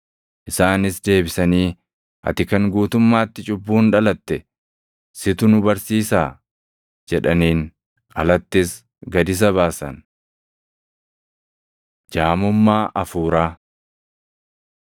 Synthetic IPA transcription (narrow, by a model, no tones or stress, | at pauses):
ʔɪsaːnɪsd̪e̞ːbɪsɐniː | ʔɐ̰t̪ɪkɐŋɡuːt̪ʊmːaːt̪ːɪt͡ʃʼʊbːuːnᶑɐlɐt̪ːɛ | sɪt̪ʊnʊbɐɾsiːsaː | d͡ʒɛᶑɐniːn | ʔɐlɐt̪ːɪs | ɡɐd̪ɪs̬ɐβaːsɐ̰n | d͡ʒaːmʊmːaːʔɐfuːɾaː